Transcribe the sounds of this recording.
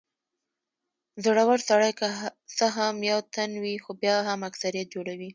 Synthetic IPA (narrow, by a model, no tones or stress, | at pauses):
zəɽawaɽsaɽajkasaɦamjawt̪anwixobjɑɦamaksaɾijat̪̚d͡ʒoɽawi